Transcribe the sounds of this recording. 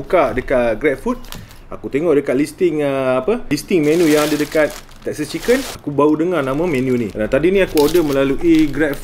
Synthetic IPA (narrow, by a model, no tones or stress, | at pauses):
ukadəkat̚ɡɾɛt̪̚fut̪̚ | a̰kut̪eŋɔʔdəkat̪̚list̪ɪŋəapəlist̪ɪŋmɛnujaŋadadəkat̪̚ | t̪ɛksət͡ʃikənakubaudəŋarnãmãmɛnjuniat̪adinĩakuodəmə̃laluʔiɡɾɛt̚f